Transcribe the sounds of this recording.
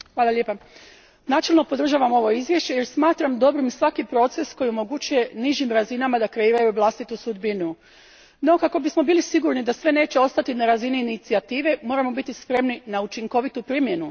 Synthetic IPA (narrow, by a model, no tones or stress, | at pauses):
xʋaːlˠalʲjepa | naːt͡ʃe̞lˠno̞po̞d̪r̩ʒaːʋamo̞ʋo̞izʋje̞ʃt͡ɕe̞je̞ɾsmaːt̪ɾamd̪o̞bɾimsʋakipɾo̞t̪se̞sko̞jio̞mo̞ɡut͡ʃuje̞niʒimɾazinamad̪akɾe̞iːɾajuʋlˠast̪it̪usud̪binu | no̞kako̞bismo̞biːlisiɡuɾnid̪asʋe̞ne̞ːt͡ɕeo̞st̪at̪inaɾaziniːnit̪siat̪iːʋe̞mo̞ːɾamo̞bit̪ispɾe̞mninaut͡ʃiŋko̞ʋit̪upɾimje̞nu